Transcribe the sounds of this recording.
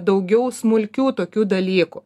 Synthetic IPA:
d̪ɐʊɡʲɛʊsmʊlʲkʲuːt̪oːkʲuːd̪ɐlʲiːkʊ

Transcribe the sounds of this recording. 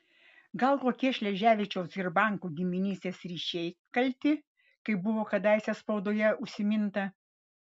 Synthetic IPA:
ɡɐlˠt̪oːkʲiɛʃʲlʲɛʒʲæːʋʲit͡ʃʲɛʊsɪɾbɑˑŋkuːɡʲɪmʲɪnʲiːst̪ʲeːsɾʲiːʃʲɛɪkɐlʲt̪ʲɪ | kɐɪbʊʋoːkɐd̪ɐɪsʲɛspɒʊd̪oːjɛʊʃʲsʲɪmʲɪnt̪ɐ

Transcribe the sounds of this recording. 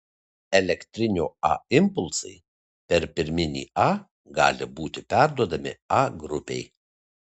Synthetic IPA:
ɛlʲɛkt̪ʲɾʲɪnʲoːɑ̰ɪmpʊlˠsɐ̰ɪ | pʲɛɾpʲɪɾʲmʲɪnʲḭːɑː | ɡɑ̰ːlʲɪbuːt̪ʲɪpʲæˑɾd̪uɔd̪ɐmʲɪ̰ɑɡɾʊpʲɛ̰ɪ

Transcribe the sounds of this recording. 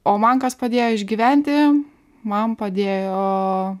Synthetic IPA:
oːmɐnkɐspɐd̪ʲeːjoːɪʒʲɡʲiʋʲɛnʲt̪ʲɪ | mɐnpɐd̪ʲeːjoː

